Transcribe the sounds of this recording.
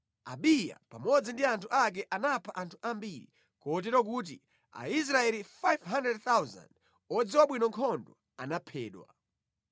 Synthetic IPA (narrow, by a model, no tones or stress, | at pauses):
aɓija̰pamɔd͡zindiantʰuʔak̬ɛʔanapʰaʔantʰu̥ʔambiɾḭ | kɔt̬ɛɾɔk̬ut̬ḭ | a̰is̬ɾaɛlifajvɦandɾɛd̚θawza̰nd | ɔd͡ziwaɓwinɔŋkʰɔndɔ | anapʰɛːɗwa̰